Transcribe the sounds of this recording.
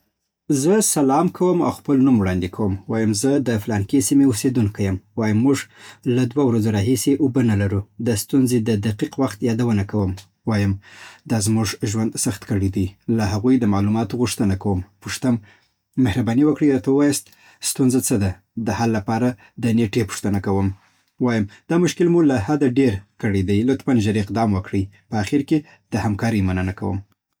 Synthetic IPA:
zəsalɑmkʰawəma̰wxpəlnumwɽɑnd̪ikʰawəmwɑjəmzəd̪əflɑnkesimeosed̪unkʰajəmwɑjəmːuʐlad̪wawɾazoɾɑɦiseʔʊbənalaɾud̪əst̪unzed̪əd̪aqiqwaxt̪jɑd̪awənakawəm | wɑjəmd̪ɑzmuʐʒwand̪saxt̪kəɽid̪ilaɦaɣujd̪əmalumɑt̪oɣuʂt̪ənakawəmpuʂt̪əmː | ehɾabɑniwəkɽəjɾɑt̪awəwɑjast̪ | st̪unzat͡səd̪a | d̪əhalːapɑɾa | d̪əneʈepʊ̥ʂt̪ənakawəm | wɑjəmd̪̥ɑmʊʃkɪlmulahad̪aɖeɾkəɽed̪ajlʊt̪manʒaɾɪqd̪ɑmwəkɽijpəaxiɾke | d̪̥əhamkɑɾijmanənaka̰wə̰m

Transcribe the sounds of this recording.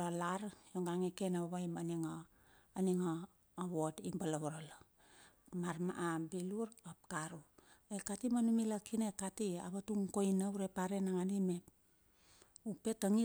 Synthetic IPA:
alaɾjoŋɡaŋekenaβaβajmaniŋaː | niŋoː | βotibalaβaɾala | maɾma̰ʔabiluɾap̚kaɾu | ekatimanumilakʰinekatia̰βatuŋkojnawuɾepaɾenaŋanime̞p | upe̞taŋi

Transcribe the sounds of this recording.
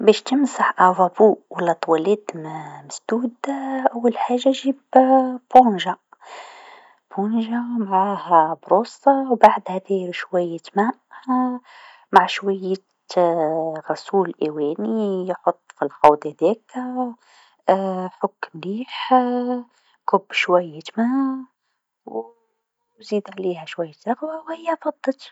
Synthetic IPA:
bɛʃt̪əmsaħʔævæbuwəlːæt̪ˤwælɛt̪mməsd̪̥ud̪ʔawːəlħaʒːaʒibbunʒa | bunʒamʕahæbɾusɑwbaʕd̪hæd̪iɾʃwæjːət̪mæʔ | maʕʃwæjːə | ɣɑsuːlʔæwænijħot̪ˤːfilxɑwd̪hæd̪ik | ħʊkːmliːħ | kʊbːʃwæjːət̪mæ | w | zid̪ʕlihæʃwæjːət̪ɾˤɑqwawhɪjːæfɑd̪ˤːət̪

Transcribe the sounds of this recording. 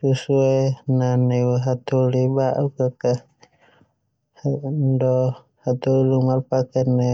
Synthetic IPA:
susuɛnanɛɦat̪ulibaʔukaka | hndɔ | hat̪ulumarpakanɛ

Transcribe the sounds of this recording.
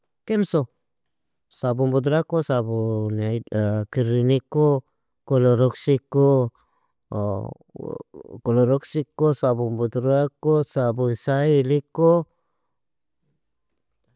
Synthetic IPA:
kemso | sabumbud̪ɾakosabunakiɾiniko | koloɾoksiko | koloɾoksikosabumbud̪ɾakosabuisailiko

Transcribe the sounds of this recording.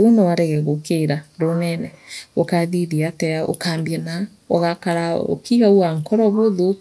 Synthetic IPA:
onowaɾɛɣɛɣokeɾaɾonɛnɛokaðiðiatɛo̰kaːmbiɛna | oɣakaɾao̰kʰiɣauaŋkɔɾɔβoðo

